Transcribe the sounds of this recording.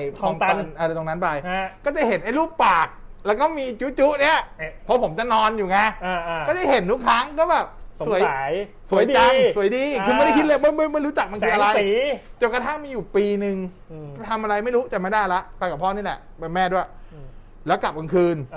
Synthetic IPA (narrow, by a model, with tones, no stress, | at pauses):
jkʰɔː˧mt̪a˧˩nʔa˧ɾa˧jt̪o˧ŋna˦˥npa˧jkɔː˥˩t͡ɕa˧˩jɦe˩˦nʔa˥˩jluː˥˩k̚paː˨˩k̚lɛ˦˥wkɔː˥˩miː˧˨˧t͡ɕuː˦˥t͡ɕuː˦˥ʔni˦˥˩ɐpʰɔ˦˥pʰo˩˦mt͡ɕa˨˩nɔː˧njuː˨˩ŋa˧jɔː˥˩da˥˩jɦe˨˩˦nːu˥˩kʰaː˦˥ŋkɔː˥˩bɛː˨˩p̚ssu˨˩˦jj | su˨˩˦jt͡ɕa˧msu˨˩˦jdiː˧kʰɯː˧ma˥˩dɾa˥˩kʰi˦˥lɤ˧ma˥˩jma˥˩jma˥˩jɾu˦˥t͡ɕa˨˩k̚ma˧nkʰɯː˧a˧ɾa˧jt̪ɛː˨˩wka˧˩t̪ʰa˥˩ŋmiː˧juː˨˩piː˧nɯ˧ŋ˩ | t̪ʰa˧mʔa˧ɾa˧jma˥˩jɾuː˦˥t͡ɕ̪ɛː˨˩ma˥˩jda˥˩jla˦˥ʔpa˧ka˨˩pʰɔː˥˩niː˥˩lɛ̰˨˩ʔpe˧nmɛː˥˩du˥˩ | lɛː˦˥wkla˨˩p̚ka˧nkʰɯː˧n